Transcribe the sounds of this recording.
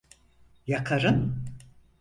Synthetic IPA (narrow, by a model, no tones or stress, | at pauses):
jakʰaɾɯn